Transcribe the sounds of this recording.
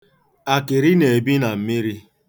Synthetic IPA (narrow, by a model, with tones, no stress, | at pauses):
a˨kɪ˨ɾi˦ne˨bi˦na˨m̩˨mi˦ɾi˦